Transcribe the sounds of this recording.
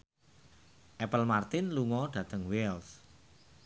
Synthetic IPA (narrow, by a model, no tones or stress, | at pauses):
ʔɛpəlmart̪ɪnluŋɔɖ̪̥ä̤t̪əŋwɛls